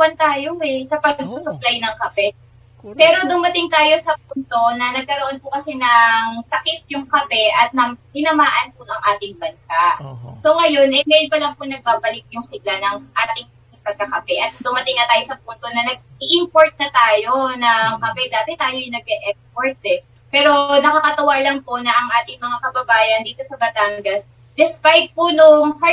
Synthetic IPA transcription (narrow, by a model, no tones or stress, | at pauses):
ɐnt̪aːjoɛsɐpɐɡɡ̚susʊplajnɐŋkɐpɛ | pɛːɾo̞d̪ʊmɐt̪ɪŋt̪aːjo̞sɐp̚unt̪o̞nɐnɐɡ̚kɐɾoʔo̞npʊkɐsɛnɐŋsɐkɪt̪̚jʊŋkɐpɛʔɐt̪̚nɐŋhɪnɐmaːʔɐnpʊʔɐŋʔaːt̪ɪŋbɐnsaʔsoŋɐjo̞nʔɐjmɛjnpɐlɐŋpʊnɐɡ̚baːbɐlɪk̪̚jʊŋsɪɡ̚lanɐŋʔat̪ɐkɪŋ | ɪŋpɐɡ̚kːɐkɐpɛʔɐt̪̚d̪ʊmɐt̪ɪŋːɐt̪aːjo̞sɐp̚uːnt̪o̞nɐnɐɡ̚ʔiʔɪmpo̞ɹt̪̚nɐt̪aːjo̞nɐŋkɐpɛd̪aːt̪ɛt̪aːjojnɐɡ̚ɛʔɛkspoɹt̪̚ɛ | pɛːɾo̞nɐkɐkɐt̪ɐwalɐŋpo̞ʔnɐʔɐŋʔaːt̪ɪŋmɐŋakɐbɐbaːjɐnd̪iːt̪o̞sɐbɐt̪aːŋɡɐs | d̪ɛspajt̪̚ponoŋha